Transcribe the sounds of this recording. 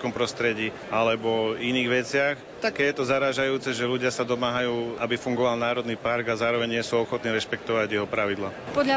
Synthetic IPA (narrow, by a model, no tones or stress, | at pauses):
kɔmpɾɔst̪ɾɛɟiː | alɛbɔiniːɣʋɛt͡sɪax | t̪akːɛːjɛt̪ɔzaɾaːʒajuːt͡sɛʒɛluɟɪasad̪ɔmaːɦajuːabifuŋɡɔʋalnaːɾɔd̪niːpaɾɡazaːɾɔʋɛɲɲɪɛsuːɔxɔt̪niːɾɛʃpɛk̚t̪ɔʋaɟjɛɦɔpɾaʋid̪lapɔd̪ʎa